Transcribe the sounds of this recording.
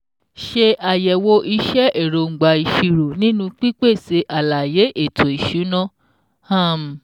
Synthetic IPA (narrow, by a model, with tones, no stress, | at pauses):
ʃe˧ʔa˨jɛ˨wo˧ʔi˧ʃɛ˦ʔe˦˨ɾo˨˧ŋ̩˨ɡ͡ba˧i˨ʃi˧ɾo˨nĩ˦nũ˧k͡pi˦k͡pe˦˨se˧˦ʔa˨la˨je˨˦ʔe˦˨tʰo˨i˨ʃu˨˦nã˦ | a˦˨m̩˨